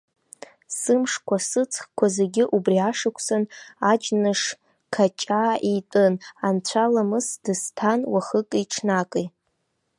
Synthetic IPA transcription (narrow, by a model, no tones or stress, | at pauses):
sɨmʂkʷasɨt͡sʰʼχkʷʰazeɡʲɪʔubriaʂɨkʷʰsanad͡ʒnɨʂ | kʰat͡ʃʼaːʔitʼɨnant͡ɕʷʰalamɨsdɨstʰanwaχɨkʼiʈ͡ʂʰnakʼi